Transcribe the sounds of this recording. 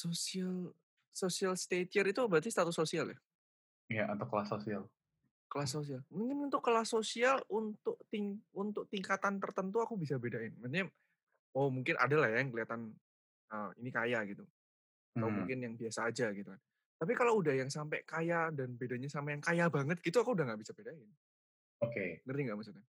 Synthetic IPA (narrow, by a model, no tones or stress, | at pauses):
sosial | sosialst̪et̪iəɾit̪ubəɾat̪ist̪at̪ʊsosialja̰ | jaʔat̪awkəlasosial | kəlasos̬ialmuŋkɪnunt̪ukːəlasosialunt̪ʊk̚t̪iŋunt̪ʊk̚t̪iŋkat̪ant̪ərt̪ənt̪uakubisabedaɪnmat̪ɲa | omuŋkɪnʔa̰dalahjajŋkəliɦat̪an | əinikajaɡit̪u | at̪awmuŋkɪnjaŋbiasaːd͡ʒaɡit̪ukan | t̪ap̬ikalowudahjaŋsampɛ̰kajadanbedaɲasampajaŋkajabaŋət̪̚ɡ̥it̪uakuːdaɦŋɡaʔbisabedaɪn | okeɡərt̪iŋɡaʔmas̬ut̪̚ɲa